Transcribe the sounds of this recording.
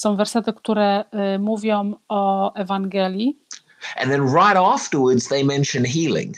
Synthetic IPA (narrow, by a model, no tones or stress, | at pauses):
sɔ̃w̃vɛɾsɛt̪ɘkt̪uɾɛmuvʲjɔ̃w̃ɔɛvaŋɡɛlʲji | ʔɨ̰̃nðɨ̃nɹaɪɾæftəwə˞dzðeɪmɛ̃nʃɨ̃nɦilˠɪ̰̃ŋ